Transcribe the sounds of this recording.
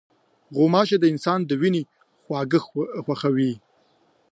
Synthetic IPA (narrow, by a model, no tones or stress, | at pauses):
ɣomɑʃed̪əɪnsɑnd̪əwine | xwɑːɡəxxwaxawi